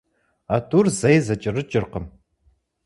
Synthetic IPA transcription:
atʰʼurzɐjzɐt͡ʃʼɪrɨt͡ʃʼɪrqəm

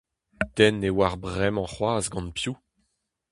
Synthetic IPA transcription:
t̪ɛnːewaʁbʁɛmɑ̃χwaːzɡɑ̃npju

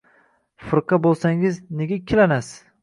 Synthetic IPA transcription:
fɨɾqɑbolˠsaŋɪzneɡʲakʲʰːɪlanas

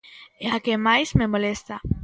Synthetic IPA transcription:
eakemajzmemolest̪a

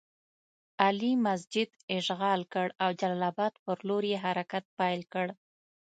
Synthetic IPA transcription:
alimas̬d͡ʒɪd̪ɪʃɣɑlkəɽawd͡ʒalɑlɑbɑd̪pəɾloɾjeɦaɾakat̪̚pajlkəɽ

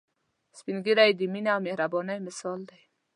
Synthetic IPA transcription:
spinɡiɾajd̪iminawmehɾabɔnajmɪsɑld̪aj

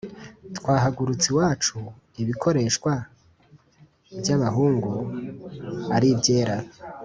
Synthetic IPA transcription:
twaːɦaɡuɾut͡siwaːt͡ʃu | iβikʰo̞ɾe̞ːʃkwa | bjaβaɦuːŋɡu | aɾibɟe̞ːɾa

